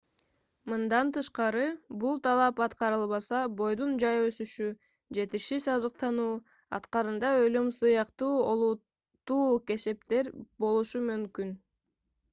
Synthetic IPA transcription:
mɯnd̪ɑnt̪ɯʃqɑɾɯbulˠt̪ʰɑlˠɑpɑt̪qɑɾɯlˠβɑsɑbo̞jd̪und͡ʒɑjø̞syʃy | d͡ʒe̞t̪iʃisɑzɯqt̪ɑnuː | ɑ̰t̪qɑɾɯnd̪ɑølymsɯjɑqt̪uːo̞lˠut̪ː | uːke̞se̞pt̪e̞ɾbo̞lˠuʃumymkyn

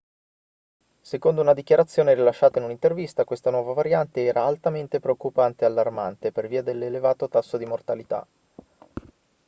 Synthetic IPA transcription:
sekond̪ounad̪ikjaɾat̪sːjoːneɾilaʃːaːt̪ainunint̪ervist̪akwest̪anwɔːvavaɾjant̪eɛːɾʔaːlt̪ament̪epɾeokːupant̪ealːarma̰nt̪eperviːad̪elːelevaːt̪ot̪asːod̪imort̪alit̪a̰

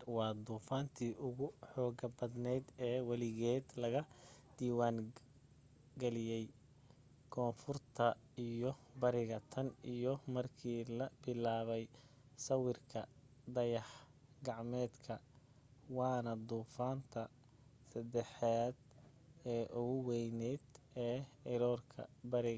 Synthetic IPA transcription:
wɑːd̪uːfaːnt̪ʰiːʔʊɣʊħɔːɡɐbɐd̪nɛd̪ɛːwɑlɪɣɛːd̪lɐɣɐd̪iːwaːŋ | ɡɛlɪjɛj | kʰɔːnfʊrt̪ʰɐ | ijɞbɐɾɪɣɐt̪ʰɐnijɔmɐrkʰiːlɐbɪlaːβɛj | sɐwɪrkʰɐd̪ɐjɑħɡɑʕmɛːd̪kʰɐ | wɑːnɐd̪uːfaːnt̪ʰɐ | sɐd̪ɛħaːd̪ | ɛːʔʊɣʊwɛjnɛːd̪ɛː | ɪɾɔːrkʰɐ̰bɐɾɪ

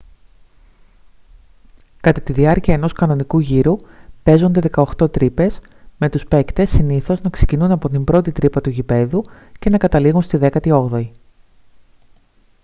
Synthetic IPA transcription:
kɐt̪ɐt̪iðiɐɾciɐe̞no̞skɐno̞nikuʝiɾupe̞zo̞nd̪e̞ðe̞kɐo̞xt̪o̞t̪ɾipe̞s | me̞t̪uspe̞kt̪e̞sːiniθo̞znɐkse̞cinunɐpo̞t̪imbɾo̞t̪it̪ɾipɐt̪uʝipe̞ðuce̞nɐkɐt̪ɐliɣunst̪iðe̞kɐt̪io̞ɣðo̞i

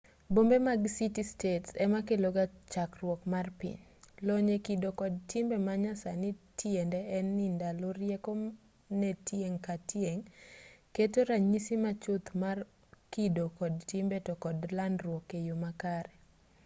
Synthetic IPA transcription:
bombemaɡsitistetsɛmakeloɡat͡ʃakrwɔkmarpɪ̰ɲloɲekidokɔd̚tɪmbɛmaɲasanitʰjendɛːnːindaloɾjeko | nɛtjeŋkatjeŋketoɾaɲisimat͡ʃʊt̪mar | kidokɔd̚tɪmbetɔkɔdlandrwɔkːejomakaɾɛ

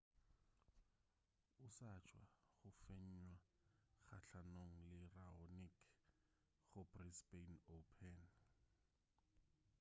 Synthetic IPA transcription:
ʊsat͡ʃʰʼwaχʊfeɲ̩ɲwa | χaɬanoŋ̩lɪraonik | χʊbrispenopʰɛn

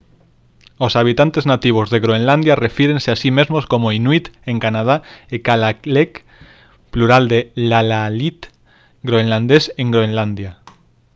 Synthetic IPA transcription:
osaβ̞it̪ant̪eznat̪iβ̞ozðeɣɾoenland̪jarefiɾenseasimezmoskomoinwit̪ẽŋkanað̞aekalaklek | pluɾald̪elalalit̪ | ɡɾoenland̪esẽŋɡɾoenland̪ja

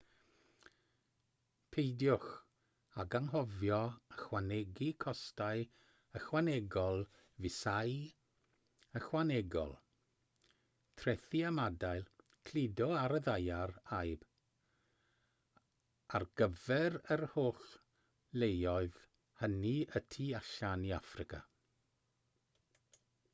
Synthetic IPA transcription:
pʰejdjʊx | aɡaŋɦɔvjɔəxwanɛɡikʰɔstaj | əxwanɛɡɔlˠ | vɪsaj | əxwanɛɡɔ̰lˠ | tʰrɛθiamadajlˠ | kʰl̥ɪdɔaɾəðajaɾajb̥ | arɡ̥əvɛɾərhoːɬ | lejɔɨð | həniətʰiaɬaniafrɪka̰

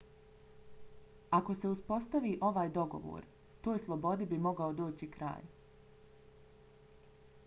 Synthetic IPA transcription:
ako̞se̞uspo̞st̪aʋiːʔo̞ʋaːjd̪o̞ɡo̞̰ʋo̰ːɾ | t̪oːjslˠo̞bo̞d̪ibimo̞ɡaod̪o̞ːt͡ɕikɾa̰ːj

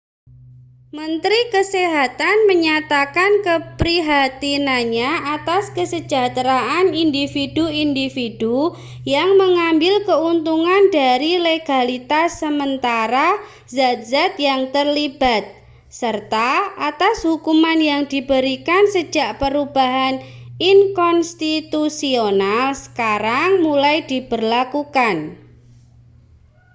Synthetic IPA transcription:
mənt̪ɾikəseɦat̪anməɲat̪akankəpɾiɦat̪inaɲaʔat̪askəsəd͡ʒat̪ɾaʔanindifiduindifid̥u | jaŋməŋambɪlkəunt̪uŋandaɾileɡ̥alit̪asəmənt̪aɾa | zat̪̚zat̪̚jaŋt̪ərlib̥at̪̚ | sərt̪aat̪ashukumanjaŋd̥ibəɾikansə̥d͡ʒʒaʔpəɾub̥aɦan | inkɔnst̪it̪usionalsə̥kaɾaŋmulajd̪ib̥ərlakukan

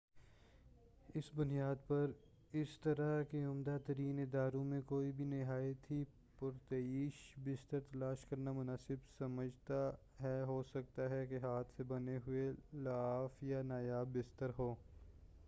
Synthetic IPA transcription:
ɪsbʊnijaːd̪pɐɾ | ɪst̪ɐɾakeʊmd̪at̪ɐɾiːnɪd̪aːɾõmẽkoːibʱinɪɦaːjət̪ʰi | pʊɾt̪ɐiːʃbɪst̪əɾt̪ɐlaːʃkɐɾnamʊnaːsɪbsɐməd͡ʒʱt̪a | ɦɛɦoːsɐk̚t̪aɦɛkeɦaːt̪ʰsebɐneɦʊelaːfjanaːjaːbːɪst̪əɾɦoː

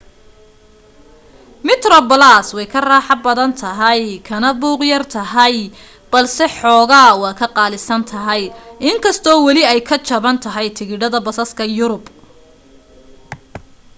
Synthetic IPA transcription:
mɪt̪rɔbɐlaːswɛjkʰɐraːħɑbɐðɐnt̪ʰɐɦɐjkʰɐnɐbuːqjɐrt̪ʰɐɦɐj | b̥ɐlsɛħɔːɣaːwɑːkʰɐqɑːlɪsɐnt̪ʰɐɦɐjʔɪŋkʰɐst̪ʰɔːwɑlɪɛjkʰɐt͡ʃɐβɐnt̪ʰɐɦɐjt̪ʰɪɣɪɽɐðɐbɐsɐskʰɐjʊɾʊb

